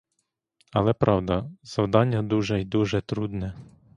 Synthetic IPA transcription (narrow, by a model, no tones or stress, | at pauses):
ɐlˠɛpɾɑwd̪ɐz̥ɐwd̪ɑnʲːɐd̪uʒɛjd̪uʒɛt̪ɾud̪nɛ